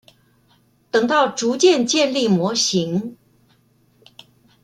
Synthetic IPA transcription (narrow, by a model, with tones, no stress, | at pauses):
t̪ɤ˨˩ŋt̪ɑ˥˩ʊʈ͡ʂu˧˥t͡ɕjɛ˥˧nt͡ɕjɛ˥˧nli˥˩mwɔ˧˥ɕi˧˥ŋ